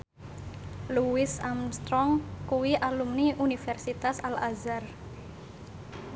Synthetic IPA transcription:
luwɪsamst̪ɾɔŋkuwiʔalumniʔunifɛrsit̪asalazar

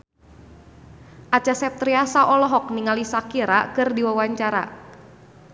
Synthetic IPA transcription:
ʔat͡ʃasɛp̚t̪ɾiasaʔɔlɔɦɔk̚niŋalisakiɾa̰kɨrdiwawaɲt͡ʃaɾa̰

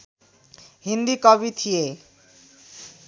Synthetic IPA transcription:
hind̪ikɔbit̪ʰije

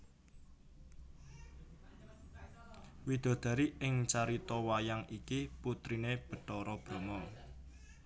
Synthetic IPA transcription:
wid̪̥o̤d̪̥ä̤ɾiɪŋt͡ʃaɾit̪ɔwajaŋikiput̪ɾineb̥ə̤ʈɔɾɔb̥ɾo̤ŋɔ

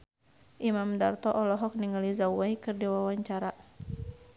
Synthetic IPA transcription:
ʔimamdart̪ɔʔɔlɔɦɔk̚niŋalizawaikɨrdiwawaɲt͡ʃaɾa

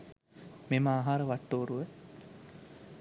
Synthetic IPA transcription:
memaːɦaːɾəʋaʈːoːɾuʋə

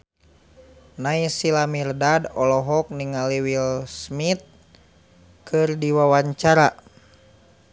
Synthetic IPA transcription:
naisilamirdadɔlɔɦɔk̚niŋaliwilsmit̪̚ | kʰɨrdiwawaɲt͡ʃaɾa

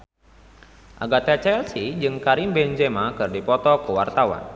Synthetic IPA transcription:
ʔa̰ɡat̪ɛt͡ʃɛlsid͡ʒɨŋkaɾimbɛnd͡ʒɛmakɨrdipɔt̪ɔkəwa̰rt̪awa̰n

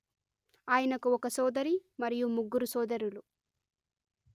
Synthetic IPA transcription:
aːjɐnɐkuɔkɐsɔːd̪ɐɾimɐɾijumuɡːuɾusɔːd̪ɐɾulu

